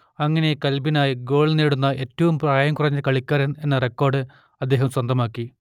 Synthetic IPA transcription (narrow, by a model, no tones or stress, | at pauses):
ɐŋːɐne̞kɐlbinaːjiɡo̞ːɭneːɽunːɐʔe̞ːtːɐʋumpraːjɐmkurɐɲːɐkɐɭikʲːaːɾɐne̞nːɐrekːo̞ːrɖɨ | ɐd̪ːe̞ːɦɐmswɐnd̪ʱɐmaːkːi